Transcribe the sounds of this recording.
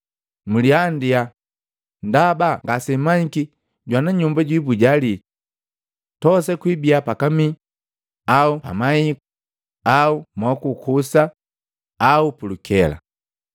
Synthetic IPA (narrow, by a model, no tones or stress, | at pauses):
muliandia | ndabaŋɡasɛmaɲiki | ɟwanaɲumbaɟwibuɟali | tɔsɛkwibiapakami | aupa̰maiku | aumwakukusa | aupulukʰɛla̰